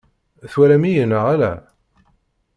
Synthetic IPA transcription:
θwælæmijənəʁælæ

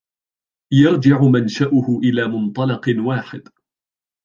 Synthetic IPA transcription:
jɑɾˤd͡ʒɪʕʊmanʃaʔʊhʊʔɪlaːmʊnt̪ˤɑlɑqwaːħɪd̪

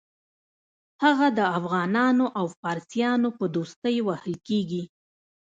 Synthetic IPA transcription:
haɣad̪əafɣɑnɑnoʔawfɑɾsjɑnopəd̪ost̪əjwahəlkeɡi

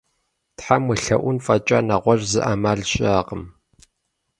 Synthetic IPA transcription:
tħamɨɬɐʔʷʊnfʼɐt͡ʃʼa̰nɐʁʷɔʒzɨʔaːmaːɮɕʼaːqəm

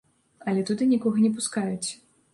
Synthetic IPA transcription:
ɐlʲɛt̪ud̪ɨnʲikɔɣɐnʲɛp̬uskajut͡sʲ

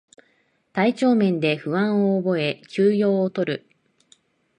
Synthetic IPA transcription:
t̪ait͡ɕo̞ːmẽ̞nd̪e̞ɸɯ̟βãɰ̃oːbo̞e̞kʲɨːjo̞ːot̪o̞ɾɯ̟

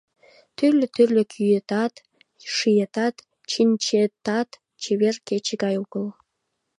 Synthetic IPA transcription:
t̪yrlʲøt̪yrlʲekʰyjet̪ɑt̪ | ʃijet̪ɑt̪ | t͡ɕinʲt͡ɕet̪ɑt̪ | t͡ɕeβerket͡ɕəɡɑjuɣəl

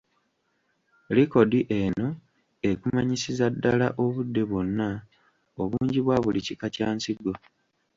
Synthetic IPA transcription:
liko̞diʔe̞no̞ | ekumaɲisizadːalaʔo̞βudːe̞βo̞nːa | oβuːɲɟiβwaːβulicikacaːnsiɡo

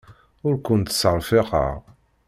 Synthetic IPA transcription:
ʊɾkʷʊnt̪ə̥səɾˤfɪqə̰ʁ

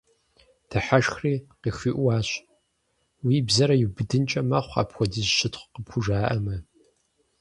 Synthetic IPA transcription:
d̥ʰɐħaʃxriːqiːxiːʔʷwɑːɕ | wiːbzɐɾɐjɪbɨdɨnt͡ʃʼɐmɐχʷa̰ːpxʷɔdizʃɪtʰχʷqəpxʰʷʊʒaːʔɐmɐ

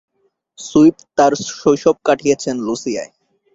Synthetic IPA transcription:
sujpt̪aɾʃojʃɔb̚kaʈʰijet͡ɕʰenlusija̰e

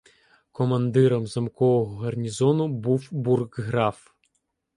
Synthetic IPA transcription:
kɔmɐnd̪ɪɾɔmzɐmkɔʋɔɦɔɦɐrnʲizɔnʊbuwburɡɦɾɑf

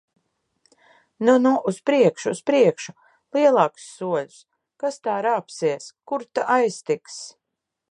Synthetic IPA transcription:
nunuʔuspɾiɛkʃuːspɾiɛkʃu | lˠiɛlˠɑːku̥sːuɔlʲʊ̥s | kast̪aːɾaːpsiɛskuɾt̪aʔajst̪iks

